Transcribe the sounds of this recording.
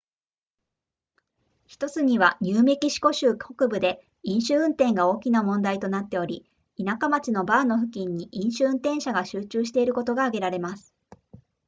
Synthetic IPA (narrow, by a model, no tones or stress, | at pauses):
çi̥t̪o̞t͡sɨɲ̟iβ̞aɲʲɨːme̞kʲiɕi̥ko̞ɕɨːkʰo̞kɯ̟bɯ̟d̪e̞ | ĩɰ̃ɕɨːɯ̟̃nt̪ẽ̞ŋɡao̞ːkʲinamõ̞nd̪ait̪o̞nat̪ːe̞o̞ɾʲiː | nakamat͡ɕino̞baːno̞ɸɯ̟kʲĩɲ̟ːiʔĩɰ̃ɕɨɯ̃nt̪ẽ̞ɰ̃ɕaɡaɕɨːt͡ɕɨːɕ̬i̥t̪e̞iɾɯ̟ko̞t̪o̞ɡaːɡe̞ɾaɾe̞masɨ̥